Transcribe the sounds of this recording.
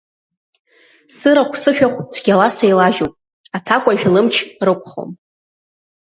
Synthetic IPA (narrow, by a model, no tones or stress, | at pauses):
sɨɾaχʷsɨʃᶣaχʷt͡sʷʰɡʲalasejlaʒowpʼ | atʰakʷʼaʒᶣlɨmt͡ʃʰrɨkʷʰʼχo̰m